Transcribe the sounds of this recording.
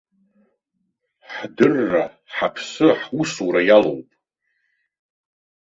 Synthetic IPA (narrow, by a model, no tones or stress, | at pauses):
ħdɨrːa | ħapʰsɨħwusuɾajalo̰wpʼ